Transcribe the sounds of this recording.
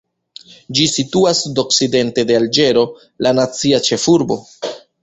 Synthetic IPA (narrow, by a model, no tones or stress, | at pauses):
d͡ʒisituasdo̞kside̞nte̞de̞ald͡ʒe̞ɾo̞ | lanat͡siat͡ʃe̞fuɾbo̞